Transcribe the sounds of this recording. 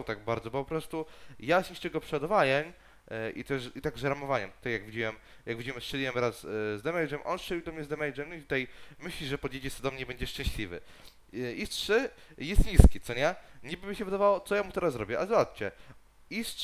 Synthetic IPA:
t̪aɡ̚baɾd̪zɔbɔpɔpɾɔst̪ujasiʂt͡ʂɛɡɔpʂɛɔd̪vajɛɲ | ʔḭt̪ɛʂit̪aɡʐɛɾamɔvaɲɛmt̪u̥t̪ajjaɡvʲid͡ʑiwɛm | jaɡvʲid͡ʑiwɛmst͡ʂɛlʲiwɛmɾaszd̪ɛmɛjʐɛmʔɔ̰nsʂt͡ʂɛlʲiwd̪ɔmɲɛzd̪ɛmɛjʐɛmit̪ut̪ajmɘɕlʲiʐɛpɔd̪jet͡ɕisɛd̪ɔmɲɛbɛɲd͡ʑɛʂt͡ʂɛ̃ɕlʲivɘ̰ | istʂɘjɛst̪ɲiskʲit̪sɔɲɛɲibɘmʲːiɕɛvɘd̪avawɔt̪sɔjamut̪ɛɾasːɾɔbʲjɛʔazwat̪t͡ɕɛ | is

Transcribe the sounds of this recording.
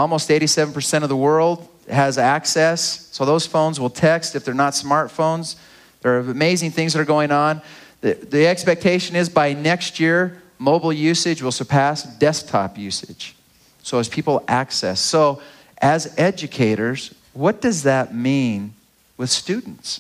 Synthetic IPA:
ɔlˠmoʊsteɪɾisɛvn̩pʰə˞sɛ̃ɾ̃ʌvðəwɜ˞lˠd̥̚ | ɨzæksɛssoʊðoʊz̥fõʊ̃nzwəlˠtʰɛkstɨfðə˞nətsmɑɹtfõʊ̃nz | ðə˞ɨɨmeɪzɪ̃ŋθɪ̃ŋzðəɾə˞ɡoʊɪ̃ŋə̃nððiɛkspɛk̚tʰeɪʃɨ̃nɪzbaɪnɛkst̚jɪɹ | moʊbl̩ˠjʉsɨd͡ʒwəlˠsə˞pʰæsd̥ɛsk̚tʰɑ̰pjʉsɪd̥ʒ̥ | soʊɨz̥pʰipl̩ˠæksɛ̰sːoʊ | ʔɨzɛd͡ʒɨkʰeɪɾə˞z̥ | wʌt̚d̥ʌzðɨt̚mĩn | wɨð̥stʉdⁿn̩ts

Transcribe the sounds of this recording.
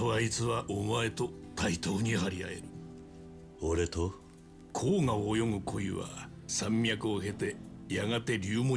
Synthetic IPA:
aβait͡sɨβaʔomae̞t̪o̞t̪ʰait̪o̞ːɲ̟ihaɾʲia̰e̞̰ɾɯ̟ | oɾet̪o | kʰo̞ːŋaːjo̞ŋɯ̟kʰo̞iβa̰ | sãmːʲjakɯ̟oɦe̞t̪e̞jaɡat̪e̞ɾʲɨːmo

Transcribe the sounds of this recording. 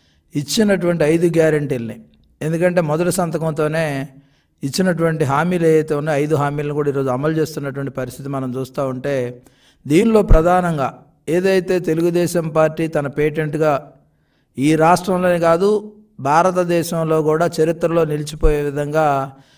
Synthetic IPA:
it͡ʃːinɐʈuʋɐɳʈiɐjd̪uɡjaːɾɐɳʈiːlɐni | end̪ukɐɳʈe̞ːmɔd̪ɐʈisɐnt̪ɐkɐnt̪o̞ːne̞ː | it͡ʃːinɐʈ̬uʋɐɳʈiɦaːmiːleːjɐjt̪eunːaɐjd̪uɦaːmiːlɐnikuːɽaiːɾo̞ːd͡ʒuɐmɐlt͡ʃe̞ːst̪unːɐʈuʋɐɳʈi̥pɐɾist̪ʰit̪imɐnɐmt͡ʃuːst̪aːuɳʈe̞ː | d̪iːnlo̞ːpɾɐd̪ʱaːnɐŋɡaː | eːd̪ɐjt̪e̞ːt̪e̞luɡud̪ɛːʃɐmpaːɾʈːiːt̪ɐnɐpeːʈ̬eɳʈɡaː | iːɾaːʂʈɾɐmlo̞ːnikaːd̪u | bʱaːɾɐt̪ɐd̪ɛːʃɐmlo̞ːɡuːɽaːt͡ʃɐɾit̪ɾɐlo̞ːnilit͡ʃipoːjeːʋid̪ʱɐŋɡaː

